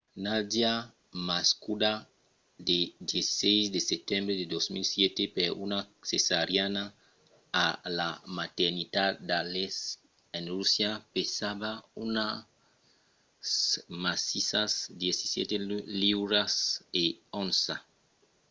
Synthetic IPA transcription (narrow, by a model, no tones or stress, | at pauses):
nad̪ia | maskud̪a | d̪ed̪jesi̥sejsd̪eset̪ẽmbɾed̪ed̪osmilsjet̪epeɾunasesaɾjanaː | lamat̪eɾnit̪add̪ales | enrusjapesabauna | smasisasd̪jesi̥sjḛt̪eliwɾaseõnsa